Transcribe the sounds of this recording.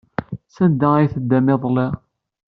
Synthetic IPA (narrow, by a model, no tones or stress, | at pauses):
sænd̪ææjθəd̪ːæmɪðˤle